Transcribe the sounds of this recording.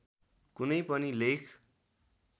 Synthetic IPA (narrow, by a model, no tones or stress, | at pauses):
kunʌjpʌnilekʰ